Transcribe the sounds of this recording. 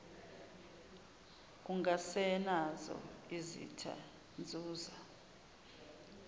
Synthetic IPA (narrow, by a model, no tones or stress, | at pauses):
k̬uŋasɛnazɔ̰izḭtʰa̰ | nd͡zʱuːza